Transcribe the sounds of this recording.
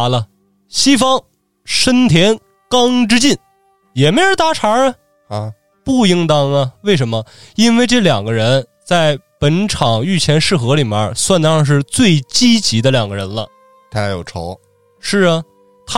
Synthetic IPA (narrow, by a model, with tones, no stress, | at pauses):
lə˧ | ɕi˥fɑ˥ŋ | ʂə˥nt̪ʰjɛ˧˥n | kɑ˥ŋʈ͡ʂɻ̩˥t͡ɕi˥˩n | jɛ˨˩me˧˥ɪo˧˥t̪a˧˥ʈ͡ʂʰa˧˥ə˧ | pu˥˩ji˥ŋt̪ɑ˥ŋnə˧we˥˩ɪʂ̬ə˧˥nmə˧i˥nwe˥˧ɪʈ͡ʂɤ˥˩ljɑ˨˩ŋɡə˦ɻə˧˥n | t͡sa˥˩ɪpə˧˥nʈ͡ʂʰɑ˨˩ŋy˥˩t͡ɕʰjɛ˧˥nʂɻ̩˥˩xɤ˧˥li˨˩bə̰˥˧˥swa˥˧nd̪əɑ˥˧ŋʂ̬ɻ̩˥˧t͡swe˥˩ɪt͡ɕi˥t͡ɕi˧˥d̪ə˧ljɑ˨˩ŋɡə˦ɻə˧˥nlə˧ | t̪ʰa˥˩jo˨˩ʊʈ͡ʂʰo˧˥ʊ | ʂɻ̩˥˩ə˩ | t̪ʰ